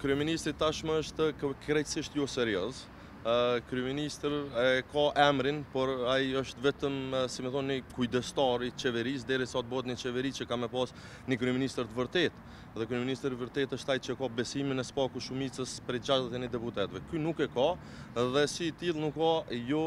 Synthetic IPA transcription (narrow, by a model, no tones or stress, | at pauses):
kɾyɛminist̪ɾit̪aʃmɛəʃt̪kɾɛjsiʃt̪jɔsɛɾjɔz | kɾyɛminist̪ɾɛkaʔɛmɾinpɔɾaiəʃt̪vɛt̪əmsimɛθɔnːikujd̪ɛst̪ɑɾit͡ʃɛvɛɾis̬d̪ɛɾisaɔt̪̚bɔɛt̪nət͡ʃɛvɛɾit͡ʃəkamɛpas | nikɾyɛminist̪ɾət̪əvəɾt̪ɛt̪ | ðɛkɾyɛminist̪ɾivəɾt̪ɛt̪əʃt̪ait͡ʃəɛkabɛsiminɛspakuʃumit͡səspɾɛd͡ʑalat̪ɛnid̪ɛput̪ɛt̪vɛkynukɛka | ðɛsit̪ilˠnukːajɔ